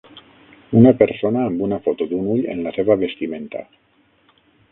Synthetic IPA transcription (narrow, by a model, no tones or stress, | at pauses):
unapeɾsonaːmbunafot̪ud̪unuʎḛnlaseβaβest̪iment̪a̰